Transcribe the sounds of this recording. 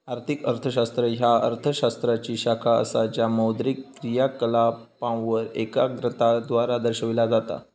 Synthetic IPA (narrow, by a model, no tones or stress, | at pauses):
aɾt̪ʰikəɾt̪ʰəɕast̪ɾəɦjaə̰ɾt̪ʰəɕast̪ɾat͡ɕiːɕakʰaə̰sad͡ʑjaməwd̪ɾikːɾijakəlapãwʋəɾekaɡɾət̪ad̪ʋaɾad̪əɾɕəʋilad͡zat̪a̰